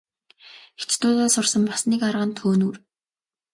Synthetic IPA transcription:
xet͡ɕt̪ʊːɮaːsʊrsə̆mpḁsniːkaɾʁə̆nt̪ʰoːnuːr

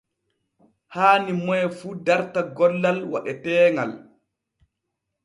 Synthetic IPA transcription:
haːnimɔjɛfuːdaɾtaɡɔlːalwa̰ɗɛtɛːŋɡal

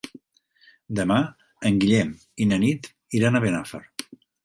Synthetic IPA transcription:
d̪əma | əŋɡiʎɛm | inənit̪ | iɾanaβenafəɾ

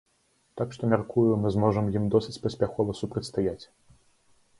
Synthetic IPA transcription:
t̪akʂt̪ɔmʲarkujumɨzmɔʐɐmjimd̪ɔsʲɨ̥t͡sʲpɐsʲpʲaxɔvɐsupɾɐt̪ʲst̪ajat͡sʲ

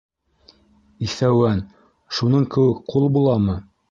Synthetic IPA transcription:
iθæwæn | ʃunɤɴkɘ̆wɘkqulˠbulˠɑmɤ

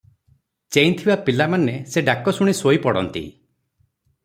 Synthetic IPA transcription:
t͡ʃejnt̪ʰibapilamaneseɖakɔsuɽ̃isoipɔɽɔ̰nt̪ḭ

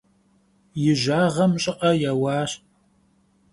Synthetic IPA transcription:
jɪʒaːʁɐmɕʼɪqʼɐjaːwɑːɕ

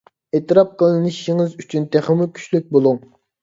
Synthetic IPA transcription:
et̪ɨɾɑp̚qʰəlˠɨnɨʃiŋɪzyt͡ʃʰynt̪ʰeχəmukʲʰy̥ʃlyk̚ʲbolˠuŋ

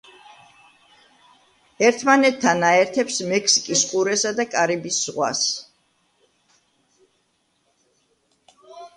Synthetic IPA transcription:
ɛɾt̪ʰmanɛt̪ʰːanaɛɾt̪ʰɛpsmɛkʰsi̥kʼisqʼuɾɛsad̪akʼaɾibisʁwa̰s

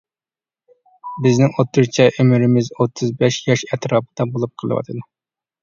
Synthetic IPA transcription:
bɪznɪŋot̪ʰːɨɾt͡ʃʰɛʔymɪɾɪmɪzot̪ʰːɨzbɛʃjɑʃɛt̪ɾɑːp̚ʰɨ̥d̪̥ɑbolˠup̚qʰəlˠɨ̰wɑ̰t̪ʰɨd̪u

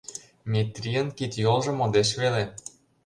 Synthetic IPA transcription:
mʲit̪ʲrʲiənkit̪jolˠʒɤ̆mod̪eʃβele

